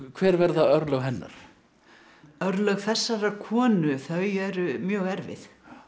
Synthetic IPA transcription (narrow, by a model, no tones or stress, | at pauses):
kʰvɛːɾvɛɾðaœɾlœɣɦɛnːa̰ɾ̥ | œɾlœɣθɛsːaɾakʰɔːnʏθœɥjɛɾʏmjœːɣɛɾvɪ̰θ